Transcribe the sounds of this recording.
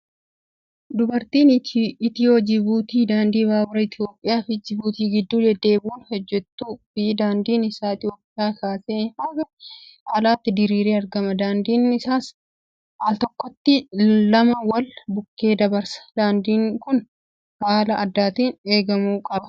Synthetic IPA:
d̪ʊbɐɾt̪iːnɪt̪ihɔd͡ʒɪbuːt̪iːd̪aːnd̪iːbaːbʊɾɐɪt̪ɪjo̞ːpʼːɪjaːfɪd͡ʒɪbuːt̪iːɡɪd̪ːuːd̪ɛd̪ːe̞ːbuːnhɛd͡ʒːɛt̪ːuːbɪd̪aːnd̪iːnɪsaːɪt̪jo̞ːpʼːɪjaːkaːseːhɐɡɐaːlaːt̪ːɪd̪ɪɾiːɾeːɐɾɡɐmɐd̪aːnd̪iːnɪsaːs | ʔɐlt̪ɔkːɔt̪ːɪlɐmɐwɐlbʊkːe̞ːd̪ɐbɐɾsɐ̥d̪̥aːnd̪iːŋkʊn | haːlɐʔɐd̪ːaːt̪iːne̞ːɡɐmuːkʼɐbɐ̥

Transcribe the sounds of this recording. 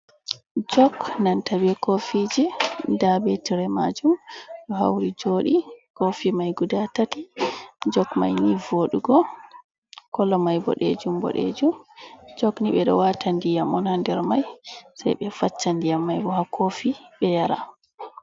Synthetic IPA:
d͡ʒɔknantabɛkofid͡ʒidabetiɾɛma̰d͡ʒumɗɔɦa̰wɾid͡ʒoːɗikofimajɡudatatid͡ʒɔkma̰jnivoɗuɡɔ | kɔlːɔmajbɔ̰ɗḛd͡ʒumbɔ̰ɗḛd͡ʒumd͡ʒɔkniɓɛɗɔ̰watandijamɔnhandɛɾmajsa̰jɓɛfat͡ʃːandijamːajbɔhakʰofiɓɛjaɾa̰

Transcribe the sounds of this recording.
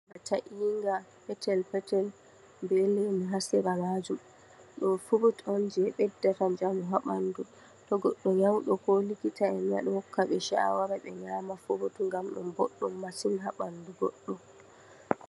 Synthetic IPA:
ɓɛtaʔiːŋɡapɛtɛlpɛtɛl | mbɛlɛmiɦasɛɾamad͡ʒum | ɗɔnfuɾutɔnd͡ʒɛɓɛdːatad͡ʒamuɦaɓandu | tɔɡɔɗːɔjawɗɔkɔlikitaɛmja̰ɗɛhɔkʰːaɓɛʃa̰waɾaɓɛɲamafuɾutuŋɡamɗɔ̰nbɔ̰ɗːɔmːasinɦaɓanduɡɔ̰ɗːɔ

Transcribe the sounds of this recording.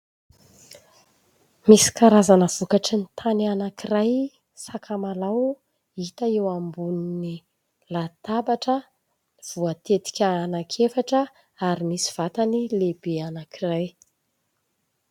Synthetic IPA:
misi̥kaɾazanəv̥ukaʈ͡ʂinit̪ʰanianakiraj | sakʰamalaw | it̪əewambunini | lat̪abaʈ͡ʂə | v̥uat̪et̪i̥kʲəːnakʰefaʈ͡ʂə | aɾimisi̥v̥at̪anilebeanakiraj

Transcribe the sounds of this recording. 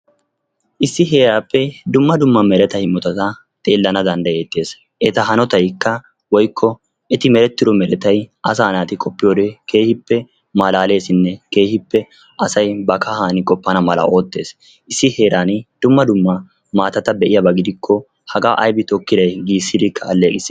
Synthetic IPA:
ʔɪsːɪɦe̞ːɾaːpːɛd̪ʊmːɐd̪ʊmːɐmɛɾɛt̪ɐhɪmːɔt̪ɐt̪ɐ | t̪ʼe̞ːlːɐnɐd̪ɐnd̪ɐje̞ːt̪ːe̞ːs | ʔɛt̪ɐɦɐnɔt̪ɐjkːɐ | wɔjkʰːɔ | ɛt̪ɪmɛɾɛt̪ːɪd̪ɔmɛɾɛt̪ɐjʔɐs̬aːnaːt̪ɪkʼɔpːɪjoːd̪ekʰe̞ːhɪpːɛ | malaːle̞ːsɪnːɛke̞ːhɪpːɛ | ʔɐsɐjbɐkɐhaːnɪkʼɔpːɐnɐmɐlɐ̰ʔo̞ːt̪ːe̞ːs | ʔɪsːɪhe̞ːɾaːnd̪̥ʊmːɐd̪ʊmːɐ | maːt̪ɐt̪ɐbɛʔɪjɐbɐɡɪd̪ɪkʰːɔ | hɐɡaːʔɐjbɪt̪ɔkːɪd̪ɐjɡiːsːɪd̪ɪkʰːɐːlːeːkʼɪsɪ

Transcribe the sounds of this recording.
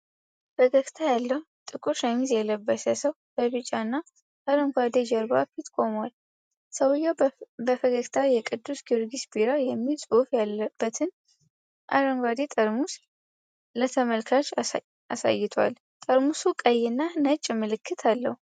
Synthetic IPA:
fəɡəkt̪ʰajalːəhut̪ʼɨkʼuɾʃamizjɛləbːəsəsəwb̥əβɨt͡ʃʼːanːa | aɾəŋɡʷad̪ed͡ʒɛɾba̰fit̪kʼo̞mwal | səwjɛbəfəɡəkt̪ʰajɛkʼɨd̪ːusɡiɾɡisbiɾajɛmːilsʼufjalb̥ːət̪ʰɨn | ʔa̰ɾəŋɡʷad̪et̪ʼəɾmus | lət̪ʰəməlkʰat͡ʃ | asa̰jːɪt̪ʰa̰l | t̪ʼəɾmusukʼəjɪnːanət͡ʃʼːmɨlɨkʰːɨt̪ʰalːə̰hu

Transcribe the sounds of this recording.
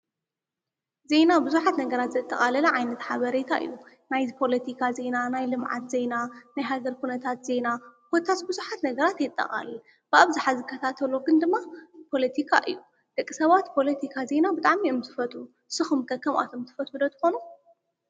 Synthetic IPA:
ze̞nabɨzuħat̪nɐɡɐɾat̪zɐt̪ʼːɐ̰χʼalɐlɐʕajnɐt̪ħaβɐɾet̪ʰaʔɨ̰jːu | najzpʰo̞lɐt̪ʰikʰaze̞nanajlɨmʕa̰t̪ze̞nanajɦaɡɐɾkʰunɐt̪ʰat̪ze̞napʰot̪ʰat̪bɨzuħat̪nɐɡɐɾat̪jɛt̪ʼːɐ̰χʼa̰lɐ | b̥ɨaβzaħazɨkʰːɐt̪ʰat̪ʰɐluɡɨnd̪ɨmːapʰo̞lɐt̪ʰikʰaʔɨ̰jːu | d̪̥ɐkʼːisɐβat̪pʰo̞lɐt̪ʰikʰaze̞nabɨt̪ʼaʕmioɨmzɨfɐt̪ʼu | sɨxɨmkʰɐkʰːɐmʔa̰t̪ʰomt̪ʰɨfɐt̪ud̪ɐt̪ʰɨ̥xo̞nu

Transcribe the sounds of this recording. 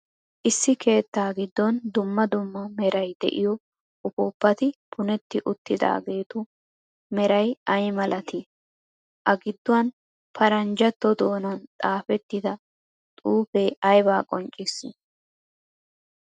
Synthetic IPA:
ʔɪsːɪkʰe̞ːt̪ːaːɡɪd̪ːɔnd̪ʊmːɐd̪ʊmːɐmɛɾɐjd̪ɛ̰ʔɪjɔ | ʊfoːpːɐt̪ɪpʰʊnɛt̪ːɪʔʊt̪ːɪd̪a̰ːɡe̞ːt̪ʊ | mɛɾɐjɐjmɐlʔɐt̪ɪ | ʔɐɡɪd̪ːʊwɐn | pʰɐɾɐnd͡ʒɐt̪ːɔd̪o̞ːnɐnt̪ʼaːfɛt̪ːɪd̪ɐ | t̪ʼuːfeːɐjbaːkʼɔnt͡ʃʼːɪsːɪ

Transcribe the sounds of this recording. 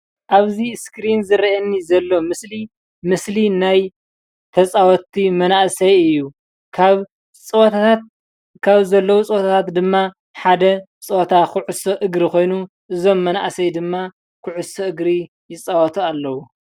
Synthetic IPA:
ʔaβziskɾinzɨɾɐʔɐnːizɐlːo̞mɨsli | mɨslinaj | t̪ʰɐt͡sʼawɔt̪ʰimɐnaʔsɐjɨjːu | kʰaβ | t͡sʼwt̪ʰaat̪̚ | kʰaβzɐlːɐwut͡sʼɨwot̪ʰat̪ʰat̪d̪ɨmːa | ħad̪ɐ | t͡sʼot̪ʰakʰuʕusoʔɨɡɾikʰo̞jnu | ʔɨzo̞mːɐna̰ʔsɐjd̪ɨmːa | kʰʊʕusɐɨɡɾi | jɪt͡sʼawɐt̪ʰualːɐwu

